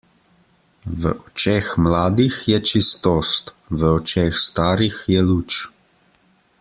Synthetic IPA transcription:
ʋə̰ʔɔt͡ʃeːxmlaːd̪ixjɛt͡ʃist̪ɔːst̪ | ʋəɔt͡ʃeːxst̪aːɾixjɛluːt͡ʃ

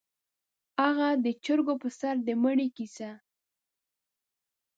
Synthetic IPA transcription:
aɣad̪ət͡ʃəɾɡopəsaɾd̪əməɽikisa

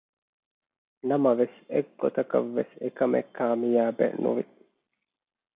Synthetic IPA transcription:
nɐmɐʋeseɡɡot̪ɐkɐ̰ʋːesekɐmʔekʰːaːmijaːbḛnṵʋi

